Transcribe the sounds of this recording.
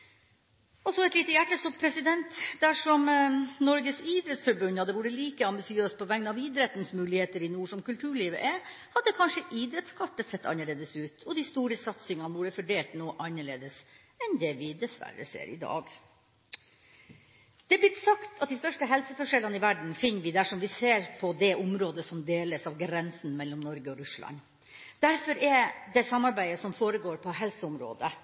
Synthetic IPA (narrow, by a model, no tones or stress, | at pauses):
ɔsɔɛt̪liːt̪əjæʈːəst̪ɔt̪̚ːpʰɾɛsɪd̪ɛnt̪d̪æʂɔmnɔɾɡəsiːd̪ɾɛt̪sfɔɾbʉnːhɑd̪ːəʋʊːɾəliːkəɑmbɪsɪøːst̪pʰɔʋɛŋnɑʋiːd̪ɾɛt̪n̩smʉːlɪheːt̪əɾɪnuːʂɔmkʉlt̪ʰʉːɭiːʋə̰ʔɛ | hɑd̪ːəkʰɑnʂəʔiːd̪ɾɛt̪skʰɑʈːəsɛt̪ːɑ̰nːəɭeːd̪əsʉːt̪ʰɔd̪ɪst̪uːɾəsɑt̪sɪŋɑnəʋuːɖəfɔɖeːlt̪noːʔɑnːəɭḛːd̪əs | ɛnd̪ɛʋɪd̪ɛsʋæ̰ɾə̰sḛːɾɪ̰d̪ɑ̰ːɡ | d̪̥ɛæːblɪt̪sɑkt̪ʰɑt̪̚d̪ɪst̪œʂʈəɦɛlsəfɔʂɛlːənɪʋæɖɳ̩fɪnːəʋɪd̪æʂɔmʋɪseːɾpʰɔd̪ɛʔʊmɾoːd̪əsɔmd̪eːləsɑʋɡɾɛnsn̩mɛlːɔmnɔɾɡəɔɾʉslɑ̰n | d̪̥æɾfɔɾɛd̪ɛsɑmːɑɾbæɪəsɔmfoːɾəɡoːɾpʰɔɦɛlsəʊmɾo̰ːd̪ə